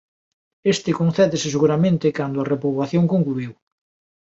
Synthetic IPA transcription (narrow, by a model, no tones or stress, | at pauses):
est̪ɪkõnθɛðɪsɪseɣuɾamẽnt̪ɪkand̪ʊɐrepoβwaθjoŋkoŋkluiw